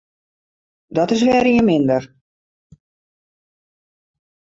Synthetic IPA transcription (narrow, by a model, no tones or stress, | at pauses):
dɔtɪs̬ʋɛːɾiənmɪndər